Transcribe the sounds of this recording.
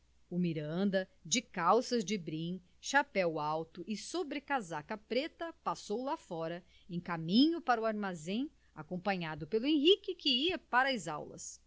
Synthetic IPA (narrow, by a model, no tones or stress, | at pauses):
ʊmiɾɐ̃nd̪ɐd͡ʒɪkawsɐzd͡ʒɪbɾĩ | ʃapɛwawt̪ʊʔɪsobɾɪkazakɐpɾet̪ɐpasowlafɔɾɐ | ẽj̃kamĩɲʊpaɾʊaɾmazẽ | a̰kõmpɐ̃ɲad̪ʊpelʊẽɦikɪkɪiɐpaɾɐɐza̰wlɐ̰s